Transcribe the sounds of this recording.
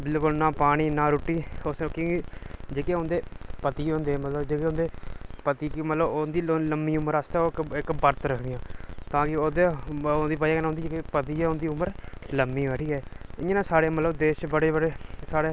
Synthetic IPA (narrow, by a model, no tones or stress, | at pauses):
bɪlkʊlnãːpaːɽ̃iːnãːɾuːʈːiːosokːɡiːd͡ʒeːkeːõːnd̪eːpət̪iːõːnd̪eːmət̪ləbd͡ʒeːkeːõːnd̪eːpət̪iːkimət̪ləbond̪iːləmːiːʊməɾaːst̪eːoːkɪkbəɾt̪ɾəkʰd̪ɪjãːt̪ãːkɪoːd̪eːond̪iːp̬əaknõːnd̪id͡ʒeːkepət̪iːɛːʊnd̪iːʊməɾləmːiːʋəʈʰiːɦɛːɪẽnãːsaːɾeːmət̪ləbd̪eːʃbəɽeːbəɽeːsaːɽeː